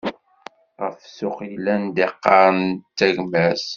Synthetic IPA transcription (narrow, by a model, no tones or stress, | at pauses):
ʁəfsʊχlænd̪eqːɑɾˤənt̪ːæʝmæs